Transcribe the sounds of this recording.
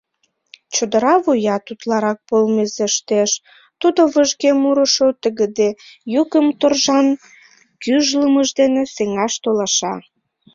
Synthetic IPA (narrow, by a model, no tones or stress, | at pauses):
t͡ɕod̪əɾɑβojɑt̪ut̪lɑɾɑk̚polmezeʃt̪eʃ | t̪ud̪oβəʒɣemuɾə̆ʃot̪əɣə̆d̪ejukəmt̪orʒɑn | kyʒləməʒd̪eneseŋɑʃt̪olɑʃɑ